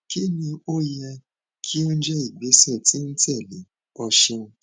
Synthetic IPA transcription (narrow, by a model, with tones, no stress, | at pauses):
ki˦nĩ˧o˦ja˧ | kʰi˦o˦n̩˦d͡ʒɛ˦i˦˨ɡ͡be˨˦sɛ˦˨ti˨˦n̩˦tɛ˦˨le˨˦ | ɔ˧ʃɛ˧